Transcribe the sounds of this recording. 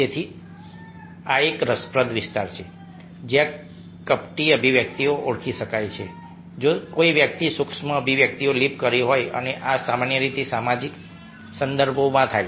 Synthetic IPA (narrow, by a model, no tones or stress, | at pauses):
d͡ʒet̪ʰi | aekɾəspɾəd̪ʋɪst̪aɾt͡ʃʰe | d͡ʒjã | kəpʈiəbʱiʋjək̚t̪ioʔoɽkʰiʃəkajt͡ʃʰe | d͡ʒokoiʋjək̚t̪isukʃməəbʱiʋjək̚t̪iolipkəɾiɦojə̰neʔasamanjəɾit̪esamad͡ʒik | sənd̪əɾbʱomãt̪ʰaj